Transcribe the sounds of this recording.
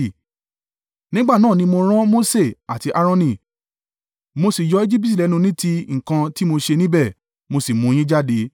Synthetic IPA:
nĩ˦ɡ͡ba˦˨nãː˦˨nĩ˧mo˧ɾ̃ã˦mo˦se˦˨a˨ti˧ʔa˧ɾɔ̃˧nĩ˨ | mo˧si˨jɔ˨˦e˦d͡ʒi˦pi˦t̬i˨lɛ˨˧˦nũ˧nĩ˦ti˧˦ŋ̩˨kã˧ti˦mo˧ʃe˧nĩ˦bɛ˦˨ | mo˧si˨mũ˨˦j̃ĩ˦d͡ʒa˦de˨˧˦

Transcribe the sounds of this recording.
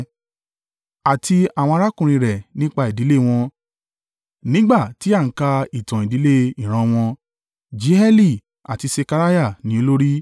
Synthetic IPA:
a˨tʰi˧a˨wɔ̃˧a˧ɾa˦kũ˨ɾ̃ĩ˧ɾɛ˨nĩ˦k͡pa˧˨i˨di˨˦le˦˨w̃ɔ̃˧ | nĩ˦ɡ͡ba˦˨ti˨˦a˦˨ŋ̩˦ka˧i˨tã˨i˨di˨˦le˦i˦˨ɾ̃ã˧w̃ɔ̃˧ | d͡ʒi˨˦ɛ˦li˦˨ | a̰˨ti˧se˧ka˧ɾa˦ja˦˨nĩ˨˦o˧lo˦ɾi˦

